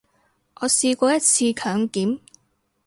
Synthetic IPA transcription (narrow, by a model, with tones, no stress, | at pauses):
ʔɔː˨˧siː˧kʷɔː˧jɐ˥t̚t͡sʰiː˧kʰœː˨˥ŋkiː˨˥m